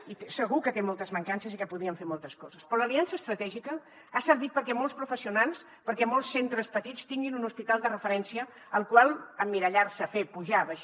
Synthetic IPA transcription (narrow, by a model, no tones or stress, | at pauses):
isəɣukət̪emɔlˠt̪əzməŋkansəzikəpuðiəɱfeɾmɔlˠt̪əskɔzəspɾɔləliansəːst̪ɾət̪ɛʒikə | asəɾβit̪̚pəɾkɛmɔlˠspɾufəsiunalˠs | pəɾkɛmɔlˠsːent̪ɾəspət̪it͡st̪iŋɡinunuspit̪alˠd̪ərəfəɾɛnsiəː | lˠkwalˠəmːiɾəʎaɾsəfepuʒaβəʃ